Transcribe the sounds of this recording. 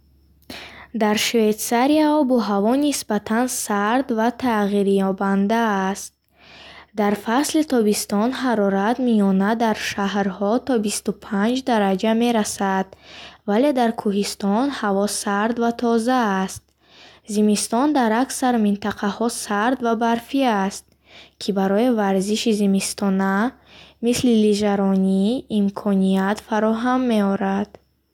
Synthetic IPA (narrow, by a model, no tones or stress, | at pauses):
d̪aɾʃvet̪saɾiaɔbɔɦavɔnisbat̪ʰansaɾd̪vat̪ʰaʁiɾjɔband̪aːst̪̚ | d̪aɾfaslit̪ʰɔbist̪ɔnɦaɾɔɾat̪mijɔnad̪aɾʃaɦɾhɔt̪ʰɔbist̪upʰand͡ʒd̪aɾad͡ʒame̞ɾasad̪vale̞d̪aɾkʰuɦist̪ɔnhavɔsaɾd̪vat̪ʰɔzaːst̪̚ | zimist̪ɔnd̪aɾaksaɾmint̪aqʰahɔsaɾd̪vabaɾfiast̪̚ | kʰibaɾɔivaɾziʃizimist̪ʰɔna | misliliʒaɾɔniːmkʰɔnijat̪faɾɔɦamːe̞ɔɾad̪̥